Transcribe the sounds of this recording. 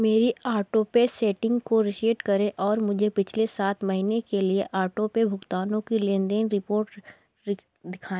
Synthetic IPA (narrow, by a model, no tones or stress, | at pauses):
meːɾiaːɾʈoːpesɛːʈɪ̃ŋɡkoɾɪʃeːʈkɐɾẽʔɔːɾmʊd͡ʒʱepɪt͡ʃʰlesaːt̪mɐɦinekelieʔaːɾʈopebʱʊkt̪aːnõkilẽːnd̪eːnɾɪpoːɾʈ | ɪ | d̪ɪkʰaːẽ